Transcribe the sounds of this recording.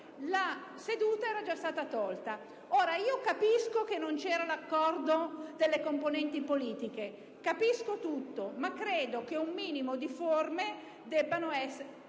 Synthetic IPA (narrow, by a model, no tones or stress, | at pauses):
lased̪uːt̪aɛːɾad͡ʒast̪aːt̪at̪ɔlt̪a | oːɾaiːokapiskok̟enːont͡ʃɛːɾalakːɔrd̪od̪elːekomponɛnt̪ipoliːt̪ike | kapiskot̪ut̪ːomakːɾeːd̪okeumːiːnimod̪iforme | d̪ɛbːanoɛsːe